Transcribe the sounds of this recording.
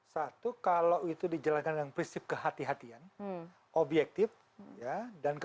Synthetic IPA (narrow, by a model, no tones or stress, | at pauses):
sat̪ukalawit̪udid͡ʒalankanəŋpɾinsɪp̚kəɦat̪iɦat̪ian | ʔobjɛk̚t̪ɪf | jadank